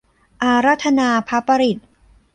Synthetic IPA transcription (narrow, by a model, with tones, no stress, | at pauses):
ʔa˧ɾa˦˥t̪ʰːa˧naː˧pʰa˦˥pːa˧ɾi˨˩t̪̚